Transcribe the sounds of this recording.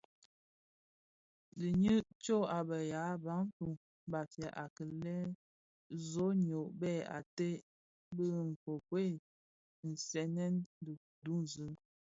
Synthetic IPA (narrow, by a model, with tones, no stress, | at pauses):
di˨ɲɨ˦t͡ʃo˦˨a˨bə˨ja˨˦ba˨˦ŋ˦tu˨ | ba˨tjɛ˨ʔa˨kə˨lɛ˦ | zo˨˦ɲo˨ʔbɛ˦˨a̰˨te˦ | bə˦˨ŋ̩˨ko˨pwe˦˨ | n̩˨sɛ˨˦nɛ˦ndə˨ | du˦n˨zɨ˨˦